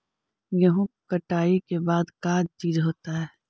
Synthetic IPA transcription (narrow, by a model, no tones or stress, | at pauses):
jɐɦũkɐʈaːikebaːd̪kaːd̪̚t͡ʃiːd͡ʒɦoːt̪aɦɛː